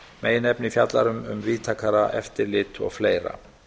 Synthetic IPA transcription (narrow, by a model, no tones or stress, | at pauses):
mʔeːjɪnɛpnɪifjat̪la̰ɾʏmʏ̰mviːt̪ʰaːkʰaɾaʔɛft̪ɪɾlɪt̪ʰɔ̰ɣfleːjɾa̰